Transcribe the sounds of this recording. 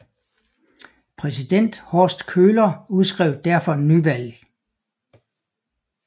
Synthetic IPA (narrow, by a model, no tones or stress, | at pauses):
pʰʁɛs̬id̥en̰d̥hɒːsd̥kʰøːlɐuð̞ˠsɡ̥ʁɛʊd̥æɐ̰fɒ̽enːyʋæl̰